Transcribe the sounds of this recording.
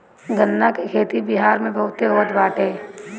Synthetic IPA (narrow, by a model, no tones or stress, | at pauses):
ɡənːakekʰeːt̪ibiɦaːɾmẽbɐɦʊt̪eoːət̪baːʈeː